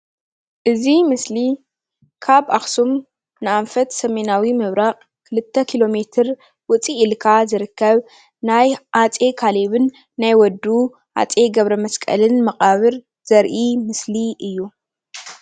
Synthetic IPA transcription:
ʔɨzimɨsli | kʰaβʔaxsum | nɨʔanfɐt̪sɐme̞nawimɨβɾaχʼ | kʰɨlɨt̪ʰːɐkʰilo̞me̞t̪ʰɨɾ | wʊt͡sʼiːlkʰazɨɾɨkʰːɐβ | najʔat͡sʼe̞kʰaleβɨnː | ajwɔd̪u | ʔa̰t͡sʼe̞ɡɐβɾɐmɐskʼɐ̰lɨnmɐqʼaβɨɾ | z̥ɐɾʔimɨsliʔɨjːu

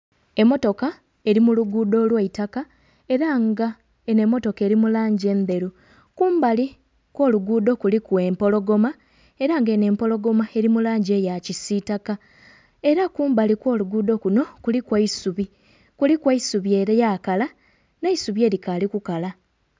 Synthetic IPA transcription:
e̞mːo̞to̞ka | e̞ɾimuluɡudo̞ːlwaitaka | eɾaŋɡa | ene̞mːo̞to̞ke̞ːɾimulaːɲɟe̞nde̞ɾu | kuːmbali | kwo̞ːluɡuːdo̞kulikwe̞ːmpo̞lo̞ɡo̞ma | e̞ɾaŋɡe̞ne̞ːmpo̞lo̞ɡo̞mae̞ɾimulaːɲɟe̞jacisitaka | e̞ɾakuːmbalikwo̞ːluɡuːdo̞kuno̞kulikwaisuβi | kulikwaisuβje̞ɾejaːkala | neisuβje̞ːɾikalikukala

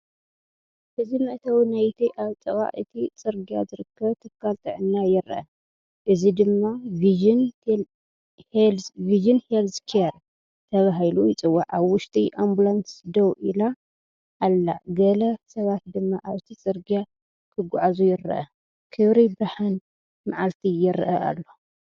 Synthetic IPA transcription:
ʔɨzimɨʔt̪ʰɐwnajt̪ʰiʔaβt͡s̪ʼɐβa̰ʔɨt̪ʰit͡sʼɨɾɡija̰zɨɾɨkːɐβt̪ʰɨkːalt̪ʼʰɨʕɨnːajɪɾɐ̰ʔɐ̰ | ʔɨzid̪ɨmːavin | viʒɨnhelskʰiɐɾ | t̪ʰɐβaɦilujɪt͡sʼɨwːaʕaβwʊʃt̪ʼiʔombulansd̪owʔila | ʔːlːa̰ɡɐlɐsɐβat̪̚d̪ɨmːaʔaβt̪ʰit͡sʼɨɾɡija | kʰɨɡʊʕazujɪɾɐ̰ʔɐ̰ | kʰɨβɾibɾaħɨn | maʕalt̪ʰijɪɾʔɐʔa̰lːo̞

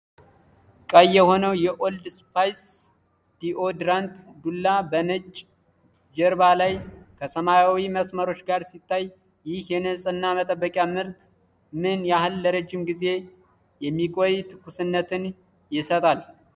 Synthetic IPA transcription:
kʼəjːɛho̞nəwjɛʔo̞ld̪spajs | d̪̥iʔo̞d̪ɾant̪d̪ulːabənɨt͡ʃʼː | d͡ʒɛɾbalajkʰəsəmajawiməsməɾo̞t͡ʃːɡaɾsit̪ʰːaj | jɪhjɛnɨsʼɨnːamət̪ʼəbːəkʼjamɨɾt̪ | mɨnjahɨlːəɾəd͡ʒːɪmɡize̞ | jɛmːikʼo̞jt̪ʰɨ̥kːusɨnːət̪ʰɨn | jɪsət̪ʼal

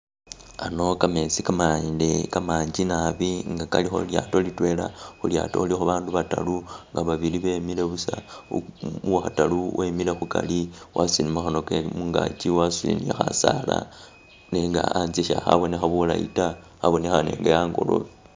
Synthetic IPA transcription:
ano̞kame̞sikamadekamaːɲd͡ʒinaβiŋɡakalixo̞̰ljato̞litwe̞laxulja̰ːto̰ulixoβaːnduβata̰luŋɡaβaβiliβe̞ːmile̞βusa | waxataluwʔemilexuka̰liwʔasinimaxanokemuŋɡat͡ʃiwasilḭniexasala̰ | neŋɡa̰anziʃaxa̰βo̞nexaβula̰ḭta | xaβo̞nexane̞̰ːŋɡejaːŋɡo̞̰lo̰βi

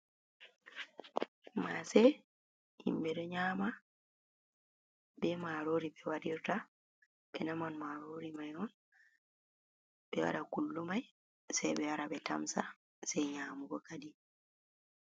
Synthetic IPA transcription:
masɛ | ḭmbɛɗɔɲaːma | bɛmaɾoːɾibɛwaɗiɾta | ɓɛnamanmaɾoɾimajɔn | ɓɛwa̰ɗakulːumaj | sɛjbɛwaɾabɛta̰msa | sɛjɲaːmuɡɔkadi

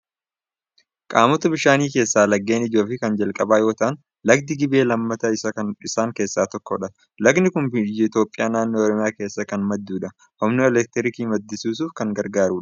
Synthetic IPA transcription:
kʼaːmɔt̪ɐbɪʃaːniːke̞ːsːaːlɐɡːe̞ːnɪd͡ʒo̞ːfɪkɐnd͡ʒɐlkʼɐbaːjo̞ːt̪ɐʔn | lɐɡ̚d̪ɪɡɪbe̞ːlɐmːɐt̪ɐɪsɐɪsaːŋke̞ːsːaːt̪ɔkːɔᶑɐ | lɐɡnɪkʊnbd͡ʒɪt̪jo̞ːpʼːɪjaːnaːnːo̞ːɔɾɔmɪjaːke̞ːsːɐkɐnmɐd̪ːuːᶑɐ | ʔɔmnoɛlɛk̚t̪ɛɾɪkiːmɐd̪ːɪsuːs̬uːfkɐŋɡɐɾɡaːɾuːᶑɐ̥

